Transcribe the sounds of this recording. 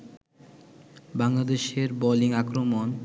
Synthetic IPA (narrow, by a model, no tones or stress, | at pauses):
baŋlad̪eʃeɾbɔliŋakɾomon